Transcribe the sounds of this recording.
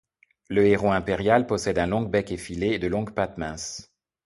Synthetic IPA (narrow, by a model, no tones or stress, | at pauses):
ləeʁoɛ̃peʁjalpɔsɛd̪ɛ̃lɔ̃ɡ̚bɛkefileːd̪əlɔ̃ɡpat̪mɛ̃s